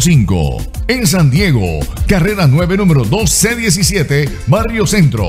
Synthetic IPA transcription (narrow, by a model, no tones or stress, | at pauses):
siŋko̰ | ens̬and̪je̞ɣo̰kare̞ɾanwe̞βe̞nũmeɾoðo̞sːeðjes̬isjet̪e | barjo̞sẽ̞nt̪ɾo̰